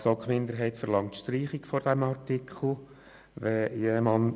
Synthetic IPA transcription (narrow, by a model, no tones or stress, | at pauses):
sokmɪnd̪əɾɦɛɪtfəɾlɑŋtʃtriːχɪkfɔɾd̥ɛmɑrtikʰχl̩ˠ | ʋɛjeːmɑn